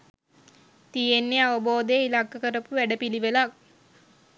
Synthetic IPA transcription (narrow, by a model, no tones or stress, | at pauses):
t̪ijenːeaʋɐboːd̪əjeilaɡːəkəɾəpuʋæɖəpiliʋelak